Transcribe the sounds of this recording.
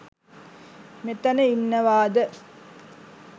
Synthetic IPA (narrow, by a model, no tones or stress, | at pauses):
met̪ɐnəinːəʋaːd̪ə